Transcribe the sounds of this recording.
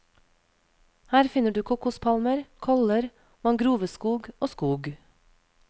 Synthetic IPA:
hæːɾfɪnəɖʉːkʰukʊspʰɑlməɾkʰɔləɾ | mɑŋɡɾuːʋəskuːɡʔoːskuːɡ

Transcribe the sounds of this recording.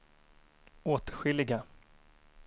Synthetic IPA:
oːt̪ɧɪlːɪɡa

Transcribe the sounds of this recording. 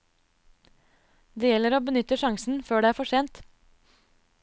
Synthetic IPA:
d̪eːjɛləɾoːbənʏt̪əʃɑŋsn̩føːɖeːæːɾfɔʃeːnt̪

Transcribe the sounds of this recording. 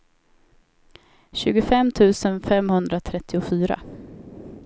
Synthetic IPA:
ɕʉ̟ːɡʊfɛmt̪ʰʉ̟ːsənfɛmhɵnd̪ɾat̪ʰɾɛt̪ʰːɪʊfyːɾa̰

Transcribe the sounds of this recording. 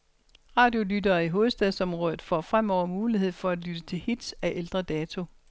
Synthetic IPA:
ʁɑ̈d̥jo̝lydɐːiɦo̝ːð̞̩ˠsd̥ɛðˠsɒ̽mʁɔːð̞ˠð̩ˠfɒ̰ːfʁam̰ɒʊ̰ɐmuːliɦe̝ð̞̰ˠfɒ̽æd̥lyd̥ət͡sʰe̝lhid̥sæʔeld̥ʁɐd̥ɛːt͡sʰo̝

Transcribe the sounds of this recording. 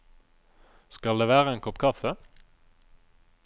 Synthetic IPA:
skɑld̪eːʋæːʁəeːnkʰɔpkʰɑfə

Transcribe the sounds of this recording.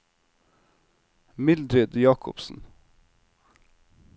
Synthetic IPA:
mɪld̪ɾɪd̪jɑːkʰʊ̰psn̩

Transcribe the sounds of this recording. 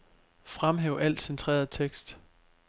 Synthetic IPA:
fʁamɦɛːʊʔæl̰d̥sent͡sʰʁḛːɐð̩ˠt͡sʰeɡ̥sd̥

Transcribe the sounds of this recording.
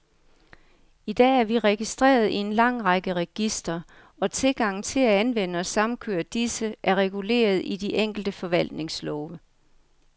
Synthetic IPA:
id̥ɛ̰ːæɐʋiʁɛɡ̥isd̥ʁɛ̰ːɐð̞̩ˠie̝nlɑ̈ŋ̰ʁɑɡ̥əʁɛɡ̥isd̥ɐ | ɒ̽t͡sʰe̝lɡ̥ɑ̈ŋ̰n̩t͡sʰe̝læænʋen̰əɒ̽sɑ̈mn̩kʰøɐd̥isəʔæɐʁɛɡ̥ule̝̰ːɐð̞ˠid̥iʔeŋ̰ɡ̥l̩d̥əfɒ̽ʋæl̰d̥ne̝ŋslɒːʋə

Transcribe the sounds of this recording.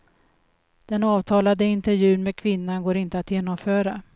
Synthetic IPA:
d̪̥ɛnɑːvt̪ʰɑːlad̪əɪnt̪ɛɾvjʉ̟ːnmeːd̪̚kʰvɪnːanɡoːɾɪnt̪əat̪jeːnɔmfœːɾa

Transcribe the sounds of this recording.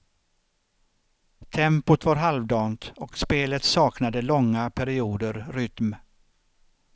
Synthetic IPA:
t̪ʰɛmpʊt̪vaɾɦalvd̪ɑːnt̪ɔkspeːlət̪sɑːknad̪əlɔŋːapʰæɾɪuːd̪əɾɾʏt̪m

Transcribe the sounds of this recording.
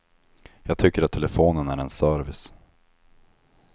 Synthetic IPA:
jɑːɡ̚t̪ʰʏkːəɾat̪ʰːɛlɛfoːnənæɾɛnsœːɾvɪs

